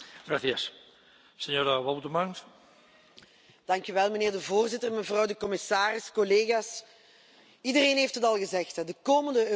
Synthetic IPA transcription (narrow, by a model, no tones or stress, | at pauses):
ɣraθijɛs | sɛɲoːɾaʋabutəmaŋs | d̥ɑŋkyʋɛlˠməneːrdəvoːrzɪtərməvrɑwdəkɔmɪsaːrɪskɔleːɣaːs | idəreːnɦeːftɦətɑlˠɣəzɛxtdəkoːməndəø